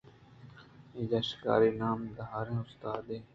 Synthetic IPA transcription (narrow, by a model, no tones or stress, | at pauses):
id͡ʒaʃka̰ːɾiːnaːmɡ̪ɦaːɾẽːʊst̪aːd̪eː